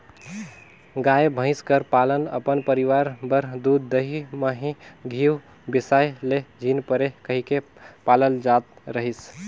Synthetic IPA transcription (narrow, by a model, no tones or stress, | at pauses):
ɡajebʱə̃ɪ̃skəɾpalənə̰pənpəɾiʋaɾbəɾd̪ud̪ːəɦiməɦĩɡʱiw | bisajled͡ʒʱinpəɾekəɦikepaləld͡ʒat̪̚ɾəɦis